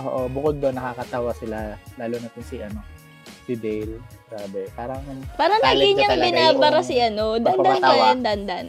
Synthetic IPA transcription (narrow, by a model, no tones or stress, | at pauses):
ʔo̰ʔobʊkod̪ːonːɐkakɐt̪awɐsɪlalaːlonɐt̪ɪnsiʔɐno̞ | sɪd̪ɛjlɡɾaːbɛpaːɾɐŋɐnpaːɾɐnaɡɪɲɐŋbɪnaːbɐɾɐsiʔɐnod̪ɐnanaand̪ɐnd̪ɐn